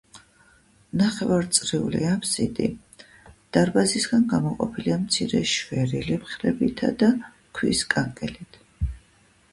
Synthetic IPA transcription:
naχɛvaɾt̪sʼɾɛuliamsit̪ʼḭ | d̪̥aɾbazisɡanɡamɔqʼɔpʰiliamt̪sʰiɾɛ̰ʃvɛɾilɛmχɾɛbit̪ʰa̰d̪a | kʰwḭskʼaŋkʼɛlit̪ʰ

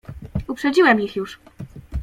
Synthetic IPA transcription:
upʂɛd͡ʑiwɛmjixjuʂ

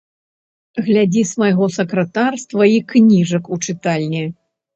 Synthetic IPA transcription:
ɣlʲad͡zʲismɐjɣɔsɐkɾɐt̪arst̪vɐiknʲiʐɐkut͡ʂɨt̪alʲnʲi

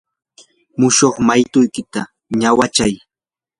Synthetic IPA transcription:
mʊʃoχmajt̪ʊjkɪt̪a | ɲawat͡ʃaj

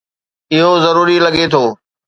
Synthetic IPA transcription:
ɪɦozɐɾuːɾilɐɠet̪ʰoː

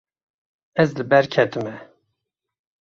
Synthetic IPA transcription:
ɛzlɨbɛɾkʰɛt̪ɨmɛ

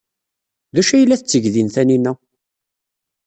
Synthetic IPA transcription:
ðæʃæjəlːæθət͡sːəʝðinθæninːæ

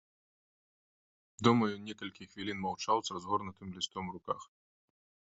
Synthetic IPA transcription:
d̪umɐjunʲɛkɐlʲkʲixvʲilʲinmɐwt͡ʃalwˠsʲɐzɦɔrnɐt̪ɨmlʲist̪ɔmɾʊka̰x

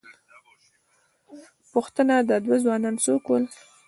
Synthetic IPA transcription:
pʊxt̪ənad̪əd̪wazwɑnɑnsokwul

